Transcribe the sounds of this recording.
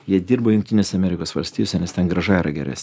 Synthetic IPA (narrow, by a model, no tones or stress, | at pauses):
jiɛd̪ʲiːɾbojʊŋkt̪ʲɪnʲeːsʲɛɐmʲɛɾʲɪkoːsʋɐlʲsʲt̪ʲiːjoːsʲɛnʲɛst̪ʲɛnɡɾɐʒɑiɾʔɐɡʲɛ̰ɾʲæ̰ːsnʲ